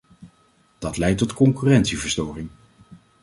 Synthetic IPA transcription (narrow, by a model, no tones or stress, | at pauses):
d̥ɑtlɛjtɔtkɔŋkyːrɛntsivəɹstɔːrɪŋ